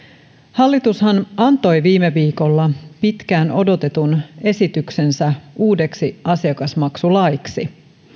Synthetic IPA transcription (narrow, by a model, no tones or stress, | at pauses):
hɑlːit̪ushɑnʔɑnt̪o̞jʋiːmeʋiːko̞lːɑpit̪kæːno̞do̞t̪e̞t̪une̞sit̪ykse̞nsæuːde̞ksiʔɑsiɑkɑsmɑksulɑjksi